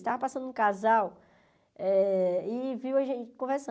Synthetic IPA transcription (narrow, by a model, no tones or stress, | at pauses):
st̪avɐpasɐ̃nd̪ʊʊ̃kazaw | ɛɪviwɐʒẽt͡ʃɪ̥kõvɛɾsɐ̃